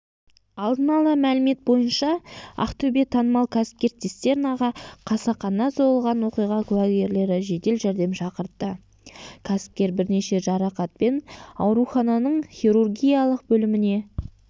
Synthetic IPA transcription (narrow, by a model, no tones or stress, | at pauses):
ɑlˠd̪ənɑlˠəmælɪme̞t̪̚bo̞jənʃɑɑ̰qt̪ʰɵbe̞t̪ʰːɑnəmɑlˠkʲʰæsɪ̥p̚kʲe̞ɾt̪ʰest̪e̞ɾɪnɑʁɑqʰɑsɑqɑnːɑso̞əlˠʁɑnwo̞qijʁɑkʲʰʊwæɡʲe̞ɾle̞ɾɪʒe̞t̪e̞lʒæɾd̪e̞mʃɑqəɾt̪ːə | kʲʰæsɪ̥p̚kʲe̞ɾbɪɾne̞ʃe̞ʒɑɾɑqɑt̪̚pe̞nɑwɾuχɑnɑnəɴχʲiɾurɡʲijɑlˠəq̚bɵlɪmɪne̞